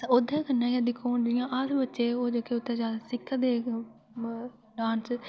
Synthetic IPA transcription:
oːd̪ʱãːkənːãːkãːd̪ɪkʰːoːnd͡ʒɪjãːʔasbətːʃeːoːd͡ʒoːkeʊt̪ːẽːzaːd̪asɪkʰːd̪eː | ɖãːns

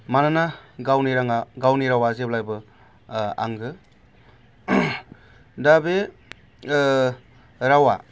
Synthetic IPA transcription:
mananaɡawniɾaŋaɡawniɾawazeblajbɯ | a̰ŋɡɯ | dabe | ɾawa̰

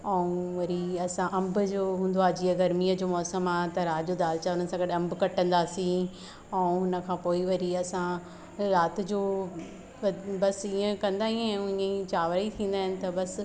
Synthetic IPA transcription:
ɛ̃ũʋɐɾiɐsãʔɐ̃mbʊd͡ʑoːɦũːn̆d̪oaːd͡ʑiːəɡɐɾmiːəd͡ʑoːmɔːsəmaːɦt̪ɐɾaːt̪d͡ʑoːd̪aːlt͡ɕaʊnəɪsãːɡɐɗɐ̃mbkɐʈə̃nd̪aːsĩ | ɛ̃ũɦʊnə̆kʰãːpoːiʋɐɾiɐsã | ɾaːt̪ɪ̆d͡ʑoː | ʋɐbɐsiːə̃kɐ̃nd̪aːɦĩɛ̃ɪ̃ə̃ĩt͡ɕaːʋɾəit̪ʰĩːn̆d̪aːɦɪnɪ̆t̪ɐbɐs

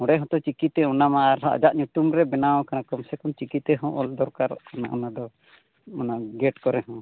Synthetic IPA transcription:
hɔ̃ɽɖɛɦɔ̃t̪ɔt͡ʃikit̪ɛunamaːɾɦa̰ʔd͡ʒaʔɲuʈumɾɛbɛnaw̃kanakɔmsɛkɔmt͡ʃikit̪ɛɦɔ̃ʔɔld̪ɔɾkaɾkana̰ʔɔnad̪ɔ | ɔnaɡɛʈkɔɾɛɦɔ̃

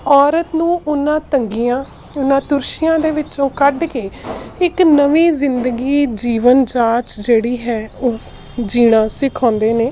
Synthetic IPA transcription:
ɔːɾət̪nũːʔʊnãːt̪əŋɡiːãːʊnãːt̪ʊɾʃɪjãːd̪eːʋɪt͡ʃõːkəɖkeːɪknəʋiːzɪnd̪əɡiːd͡ʒiːʋənd͡ʒaːt͡ʃd͡ʒeːɽiːɦɛːoː | d͡ʒiːɽ̃ãːsɪkʰãːnd̪eːneː

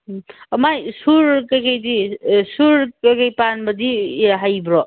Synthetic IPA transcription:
majsuɾkajkajdisuɾkakajpanbʌdiɦajbɾɔ

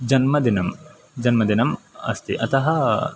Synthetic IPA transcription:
d͡ʒɐnmɐd̪inɐm | d͡ʒɐnmɐd̪inɐmɐ̰st̪iʔɐt̪ɐɦɐ

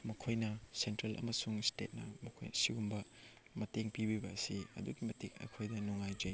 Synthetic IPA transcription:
mɐkʰojnɐsentɾelʔɐ̰mɐsuŋstet̚nɐmɐkʰo̰jsiɡumbɐ | mɐteŋpibibɐsiɐ̰duɡimɐtekɐ̰jkʰojdɐnuŋajd͡ʒɐj

